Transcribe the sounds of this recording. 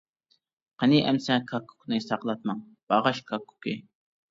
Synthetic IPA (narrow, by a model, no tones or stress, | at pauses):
qʰəniʔɛmsɛkʰɑkʰːu̥knɨsɑqlˠɑt̪̚mɑŋ | b̥ɑʁɑʃkʰɑkʰːu̥kɪ